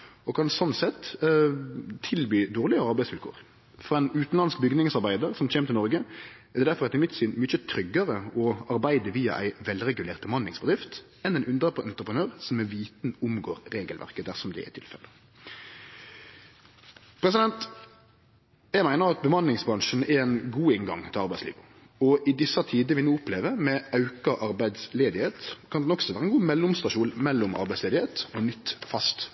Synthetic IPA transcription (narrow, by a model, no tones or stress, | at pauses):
ɔkʰɑnsɔnːsɛt̪ | t̪ʰːɪlbyːd̪oːʁlɪəɑɾbæɪsfɪlkʰo̰ːʁ | fɔʁɛɪnʉːt̪n̩lɑnskbʏɡnɪŋsɑʁbæɪd̪əɾsɔmc͡çeːmt̪ɪnɔʁɡə | æʁd̪ɛd̪æɾfɔʁɑt̪ɪmɪt̪ːsinmʏçət̪ʰɾʏɡːəɾəɔɑɾbæɪd̪əʋiːɑ̰ʔæ̰ɪʋɛlɾɛɡʉleːʁt̪̚bəmɑnɪŋsbəd̪ɾɪft̪ | ɛnd̪ɛnʉnd̪ʁəpɛnt̪ɾəpənøːʁsɔmɛʋiːt̪n̩ʊmɡoːʁɾeːɡəlʋæ̰ʁkəd̪æʁsɔmd̪ɛ̰æ̰tʰɪlfɛ̰lːə | pʰɾɛs̬ɪd̪ɛnt̪ | jæɪmæɪnəʁɑt̪̚bəmɑnlɪŋsbʁɑnʃn̩ɛɾɛnɡuːɪŋɡɑ̰ŋt̪ʰɪlɑʁbæɪslḭːʋʊ | ɔʔɪd̪ɪsɑt̪ʰiːd̪əʋɪnuːʊpleːʋəmɛɑʉkɑʔɑɾbæɪd̪sleːd̪ɪheːt̪kʰɑnd̪ɛnɔksɔʋæːɾəɛnɡuːmɛlːʊmst̪ɑʂuːlmɛlːʊmʔɑ̰ɾbæɪsleːd̪ɪeːt̪ɔnʏt̪ːfɑst̪